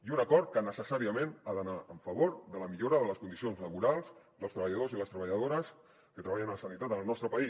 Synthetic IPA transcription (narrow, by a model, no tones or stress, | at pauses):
iunəkɔɾt̪̚kənəsəsaɾiəmẽnaðənaəɱfəβoɾðələmiʎoɾəðələskund̪isionzləβuɾalˠz | ðəlˠst̪ɾəβəʎəðoziləst̪ɾəβəʎəðoɾəs | kət̪ɾəβ̞aʎənələsənit̪at̪ənəlˠnɔst̪ɾəpəi